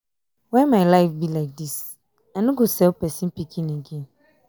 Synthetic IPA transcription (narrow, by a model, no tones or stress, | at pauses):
wɛ̃nmaɪlaɪfbilaɪk̚dis | ãnũɡosɛlpɛsĩnpikʰĩneɡẽn